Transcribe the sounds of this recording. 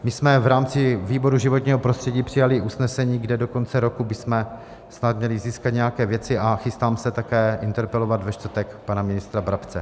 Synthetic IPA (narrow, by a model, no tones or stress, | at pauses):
mɪsmɛvɾaːmt͡sɪviːbo̞ɾuʒɪvo̞t̪ɲiːɦopɾost̪r̥ɛɟiːpr̝̥ɪjalɪʔusnɛsɛɲiːɡdɛdo̞ko̞nt͡sɛɾo̞kubɪsmɛ | snat̪mɲɛlɪziːskat̪ɲɛjakɛːvjɛt͡sɪʔaxɪst̪aːmsɛt̪akɛːʔɪnt̪ɛɾpɛlo̞vat̪vɛʃt̪ɾ̩t̪ɛkpanamɪnɪst̪ɾabɾapt͡sɛ